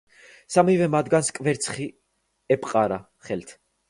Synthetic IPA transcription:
samivɛmad̪ɡanskʼvɛɾt̪sʰχi | ɛpʼqʼaɾa | χɛlt̪ʰ

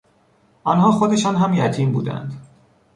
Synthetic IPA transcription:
ʔɒnɦɒːxod̪e̞ʃɒːnɦæmjæt̪ʰiːmbṵːd̪æ̰nd̪

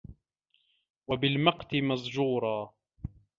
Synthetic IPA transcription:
wabɪlmɑqt̪ɪmazˤd͡ʒuːɾˤɑː

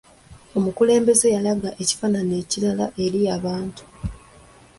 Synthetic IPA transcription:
o̞mukule̞ːmbe̞ze̞jalaɡaʔe̞ci̥faːnane̞ːcilalaʔe̞ɾijaβaːntu̥

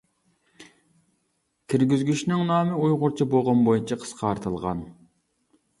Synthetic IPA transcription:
kʲʰiɾɡʲizɡʲyʃnɪŋnɑːmɪujʁʊɾt͡ʃʰiboʁɑnbojut͡ʃʰɑqʰə̥sqʰɑɾt̪ʰɨlˠʁɑ̰n

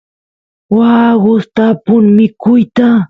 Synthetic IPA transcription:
waːɢʊst̪apʊŋmɪkʊjt̪a

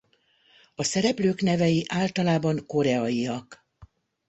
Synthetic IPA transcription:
ɒsɛɾɛpløːknɛvɛjiʔaːlt̪ɒlaːbɒŋko̞ɾɛɒiɒk

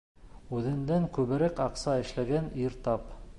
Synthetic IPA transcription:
ʉðɘ̆nd̪æŋkʉβɘ̆ɾækɑqsɑɘ̆ʃlæɡæniɾt̪ɑp

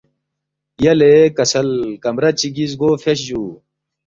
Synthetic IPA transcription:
jɐlekɐsɐlkɐmɾɐt͡ɕiɡiz̬ɡoːfeɕ̬d͡ʑuː

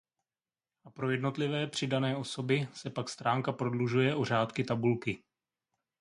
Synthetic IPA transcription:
ʔapɾo̞jɛdno̞t̪lɪvɛːpr̝̥ɪdanɛːʔo̞so̞bɪsɛpakst̪ɾaːŋkapɾo̞dluʒujɛʔo̞r̝aːt̪kɪt̪abulkɪ

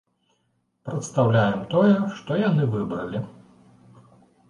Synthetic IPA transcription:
pɾɐt̪st̪awlʲajɛmt̪ɔjɛʂt̪ɔjan̪ɨvɨbɾɐlʲi

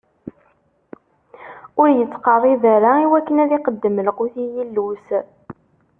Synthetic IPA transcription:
ʊɾjət͡sːqəɾˤiðæɾaiwækːənæðiqəd̪ːəmlquθijilːus

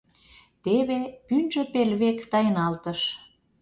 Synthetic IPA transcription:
t̪eβepynʒø̆pelβekt̪ɑjənɑlt̪əʃ

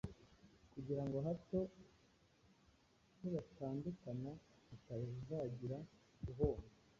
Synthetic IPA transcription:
kuɟiɾaŋɡo̞ɦato̞ | huβataːndukana | akaβiuzaːɟiɾa | ɡuɦo̞ːne

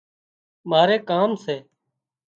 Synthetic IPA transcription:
maːɾeːkaːmseː

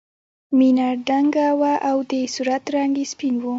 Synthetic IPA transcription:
minaɾɖaŋɡawaʔawd̪esuɾat̪ɾɑŋɡespinwu

